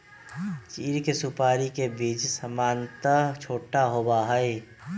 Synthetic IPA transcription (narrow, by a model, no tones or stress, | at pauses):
t͡ʃiːɾkesʊpaːɾikebiːt͡ʃsəmaːnt̪ət͡ʃʰoːʈaɦoːbaɦəj